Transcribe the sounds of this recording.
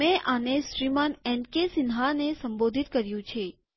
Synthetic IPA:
mɛ̃ʔaneʃɾimanɛɳkesɪnɦanesəmbod̪ʱit̪kəɾjũt͡ʃʰe

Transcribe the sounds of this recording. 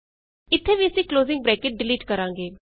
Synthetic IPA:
ɪt̪ʰːeːʋiːəsĩːkloːzɪ̃ŋɡ̚bɾɛːkeːʈ̚ɖɪliːʈkəɾãːŋɡeː

